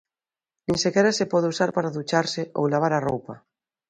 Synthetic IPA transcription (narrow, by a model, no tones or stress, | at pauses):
nĩŋsekeɾasepɔðusaɾpaɾaðut͡ʃaɾseʔo̰wlaβ̞aɾarowpa